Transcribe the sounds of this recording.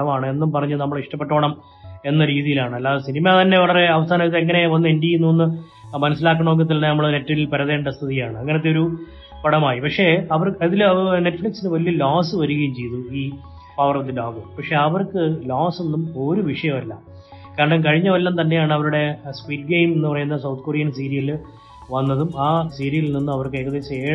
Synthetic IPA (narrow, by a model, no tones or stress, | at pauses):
ɐmaːɳɨe̞nːumpɐrɐɲːɐnɐmːɐɭiʂʈɐpːe̞ʈːo̞ːɳɐm | e̞nːɐɾiːðijilaːɳɨɐlːaːðɐsinimat̪ɐnːe̞ʋɐɭɐre̞ɐʋɐsaːnɐiðeŋːɐne̞ʋɐnːɨiɳɖjijinoːnːɨ | mɐnɐsːilaːkːɐɳoːk̬ːiɐt̪̬ːilnɐnɐmːɐɭɐɨnetːɐilpɐɾɐðe̞ːɳɖɐst̪ʰiðijaːɳɨɐŋːɐneɐt̪ːeo̞ɾu | pɐɽɐmaːjipɐkʂe̞ɐʋɐrɐðilne̞ʈːfɭiksinɨʋɐlijɐloːsɨʋɐɾuɣɐjumt͡ɕe̞jt̪ːuiː | pɐʋɐrɐʋd̪ɨloːɡɨpɐkʂe̞ɐʋɐrkɨloːsenːumo̞ɾuʋiʂɐjɐmɐlːɐ̰ | kaːɾɐɳɖɐmkɐɻiɲːɐʋɐlːɐmnt̪ɐnːe̞jaːɳɨɐʋɐɾuɽe̞spiːʈ̚ɡejmenːupɐrɐjunːɐðsɐwt̪̚ʰkorijɐns̬iːɾijil | ʋɐnːɐðumaːsiːɾijilninːɨɐʋɐrkɨɐjkɐðet͡ɕeː